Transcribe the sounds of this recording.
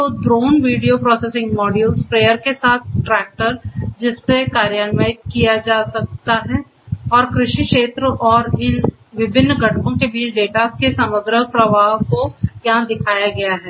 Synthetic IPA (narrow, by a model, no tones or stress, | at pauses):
tt̪oːdɾoːnʋiːɖijopɾɔːseːsɪ̃ŋɡmɔːɖjuːlspɾeːjəɾkesaːt̪̚ʰʈɾɛːk̚ʈəɾd͡ʒɪsːekaːɾjaːnʋaːɪt̪̚kijad͡ʒaːsɐk̚t̪aɦɛ | ɔːɾkɾɪʃikʃeːt̪ɾəʔɔːɾɪn | ʋɪbʱɪnːɡʱɐʈʰpõkebiːt͡ʃɖeːʈakesɐməɡ̪ɾəpɾɐʋaːɦkojɐɦãd̪ɪkʰaːjaɡɐjaɦɛː